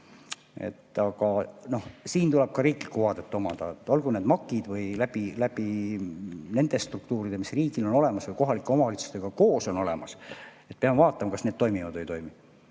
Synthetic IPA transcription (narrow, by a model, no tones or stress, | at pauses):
ḛt̪ːˑɑɡɑno̞hsiːnt̪uleb̥̚kɑɾiːklikːuɑd̪et̪ːˑo̞mɑd̪ɑet̪ːˑo̞lɡ̥uneːd̪mɑkːˑid̪̥vɯjlæb̥ilæb̥i | ne̞nd̪̥e̞st̪rukt̪uːɾid̥̪e̞misriːɡ̥ilo̞no̞le̞mɑsvɯjkoɦɑlikːˑeo̞mɑvɑlit̪su̥st̪e̞ɡ̥ɑko̞ːso̞no̞le̞̰mɑse̞t̪̚peɑmevɑːt̪ːˑɑmɑkɑsned̪̥̚t̪o̞jmivɑd̪vəjt̪o̞jmi